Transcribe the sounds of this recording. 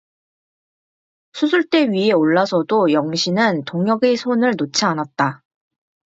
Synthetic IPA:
sʰus̬ʰuɭt͈e̞ɥieoɭːasʰʌdojʌŋɕʰinɯntoŋjʌɡesʰonɯɭnot͡ɕʰianat̚t͈a

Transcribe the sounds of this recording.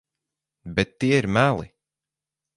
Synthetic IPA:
bɛt̪ːiɛiɾmælˠḭ

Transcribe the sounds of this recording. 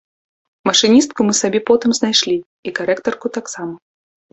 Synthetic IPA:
mɐʂɨnʲist̪̚kumɨsabʲɛpɔt̪ɨmznajʂlʲi | ikaɾɛkt̪ɐrkut̪aksamɐ

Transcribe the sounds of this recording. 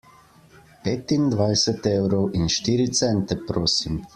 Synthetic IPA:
peːt̪ind̪ʋajsɛt̪eːwɾɔwʔinʃt̪iːɾit̪sɛnt̪ɛpɾoːsim

